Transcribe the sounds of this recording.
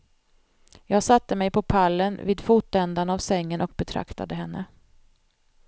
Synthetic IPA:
jɑːɡsat̪ːəmɛjpʰɔpʰalːənviːd̪fuːt̪ɛnd̪anavsɛŋːənʔɔk̚bɛt̪ʰɾa̰kt̪a̰d̪əɦɛnːʔə̰

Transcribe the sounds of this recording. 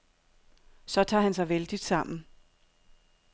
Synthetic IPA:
sɒ̽t͡sʰɑ̰̈ːhænsɑ̈ɪʋeld̥id̥sɑ̈m̰n̩

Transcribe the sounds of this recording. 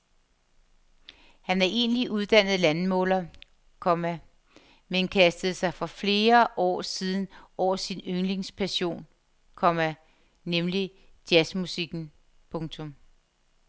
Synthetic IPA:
hænæɐʔe̝̰ːnliʔuðˠd̥æn̰ð̞̩ˠlænmɔ̰̽ːlɐ | kʰɒ̽mæ | menkʰæsd̥əð̩ˠsɑ̈ɪfɒ̽fle̝ːɐʔɒ̰ːsiːð̞ˠn̩ɒ̰ːɐsinøŋle̝ŋspʰæɕo̝̰ːn | kʰɒ̽mæ | nemli | d̥jæsmusiɡ̥n̩ | pʰɔ̽ŋt͡sʰɔ̽m

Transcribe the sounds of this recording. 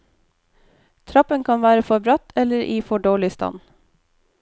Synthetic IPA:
t̪ʰɾɑpənkʰɑnʋæːɾəfɔbɾɑt̪ʰɛləɾʔiːfɔɖoːlɪst̪ɑ̰n

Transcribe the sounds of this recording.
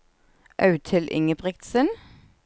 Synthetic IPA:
ʔɑʉt̪ʰɪlʔɪ̰ŋəbʁɪkt̪sən

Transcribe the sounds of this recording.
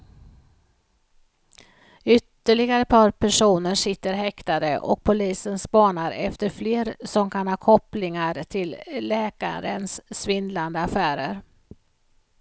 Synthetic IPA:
ʏt̪ːəɭɪɡaɾəpʰɑːɾpʰæʂuːnəʂɪt̪ːəɾɦɛkt̪ad̪ə̰ʔɔ̰k̚pʰʊliːsənspɑːɳaɾɛ̰ft̪əɾfleːɾsɔmkʰanhɑːkʰɔplɪŋaɾt̪ʰɪlːɛːka̰ɾə̰nsːvɪnd̪land̪əafæːɾəɾ

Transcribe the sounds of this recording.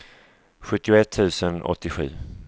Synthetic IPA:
ɧɵt̪ːɪʊɛt̪ʰːʉ̟ːsənɔ̰t̪ʰːɪɧʉ̟̰ː

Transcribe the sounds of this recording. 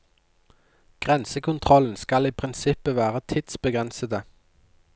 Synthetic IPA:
ɡ̥ʁɛnsəkʰʊnt̪ʰʁɔln̩skɑliːpʰʁɪnsɪpəʋæːʁət̪ʰɪd̪̥sbəɡʁɛnsəd̪ə

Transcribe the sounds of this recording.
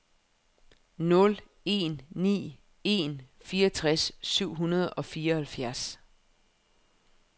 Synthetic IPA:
nɔ̽l | e̝̰nːḭː | e̝̰nfiːʌt͡sʰʁassyʊ̰ɦunɐð̞ˠɒ̽fiːɐhælfjæɐs

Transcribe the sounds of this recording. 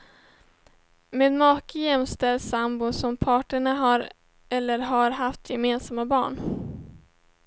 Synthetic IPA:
meːd̪mɑːkəjɛmst̪ɛld̪sambʊsɔmpʰɑːʈəɳaɦaɾ | ɛlːəɾɦaɾɦaft̪ʰjɛmeːnsamːabɑ̰ːɳ

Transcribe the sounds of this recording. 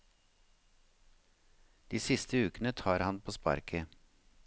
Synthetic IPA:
d̪̥iːsɪst̪əʉːkənət̪ʰɑːɾhɑnpʰoːspɑ̰ɾkʰə

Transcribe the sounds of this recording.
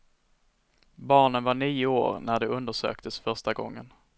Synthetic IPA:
bɑːɳənvaɳiːʊo̰ːɾnæɖɛɵnd̪əʂø̰ːkt̪ʰəsfœɾʂʈaɡɔ̰ŋːən

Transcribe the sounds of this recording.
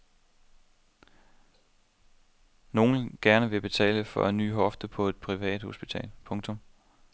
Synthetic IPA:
no̝ːn̩ɡ̥æɐnəʋe̝b̥e̝t͡sʰɛ̰ːləfɒ̽æny̰ːɦɒ̽fd̥əpʰɒ̽e̝d̥̚pʰʁiʋɛ̰ːd̥ho̝sb̥it͡sʰɛ̰ːlpʰɔ̽ŋt͡sʰɔ̽m

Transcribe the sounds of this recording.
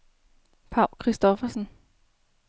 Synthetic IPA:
pʰɑ̈ʊ̰lkʰʁisd̥ɒ̽fɐsən

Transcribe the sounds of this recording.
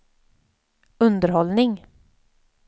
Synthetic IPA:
ɵnd̪əɾɦɔlnɪŋ

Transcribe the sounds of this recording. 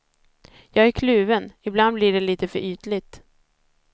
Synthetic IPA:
jɑːɡæɾkʰlʉ̟ːvənɪbland̪blɪɖɛliːt̪əfœɾyːt̪lɪt̪

